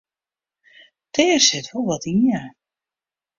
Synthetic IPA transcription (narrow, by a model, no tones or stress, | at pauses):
tɛːrsɪtʋɔlˠʋɔtiən